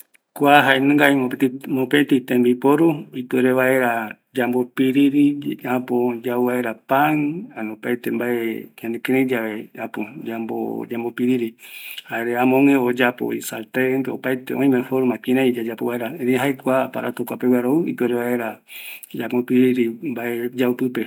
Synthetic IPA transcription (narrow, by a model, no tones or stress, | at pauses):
kʷaɦaenɨ̃ŋɡaiomopet̪it̪ẽmbipoɾuipɨeɾeβae̞ɾa | d͡ʒambopiɾiɾiãpod͡ʒauβaeɾapaŋanõpajt̪embaʔeɲãnd̪ekeɾẽd͡ʒaʋeapod͡ʒambo̰d͡ʒambopiɾiɾihaeɾeãmõŋẽod͡ʒapo̰isalt̪end̪eopajt̪eõĩmefoɾomãkĩɾãid͡ʒad͡ʒapoβaeɾaeɾĩɦaekʷapa̰ɾa̰t̪okʷapewaɾoɨḭpɨeɾeβaeɾad͡ʒamopiɾiɾimbaed͡ʒaupɨpe